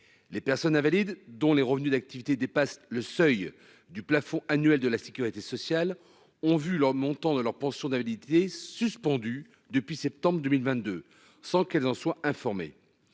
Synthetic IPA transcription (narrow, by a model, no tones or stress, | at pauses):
lepɛʁsɔnɛ̃valid̪ːɔ̃leʁəvnyd̪ak̚t̪ivit̪ed̪epasləsœj | d̪yplafɔ̃ʔanɥɛld̪əlase̥kʲyʁit̪esɔsjal | ɔ̃vyləʁmɔ̃t̪ɑ̃d̪əlœʁpɑ̃sjɔ̃d̪ɛ̃valit̪esyspɑ̃d̪y | d̪əpɥisɛp̚t̪ɑ̃bʁəd̪əmilvɛ̃t̪̚d̪ø | sɑ̃kɛlzɑ̃swaʔɛ̃fɔʁmḛ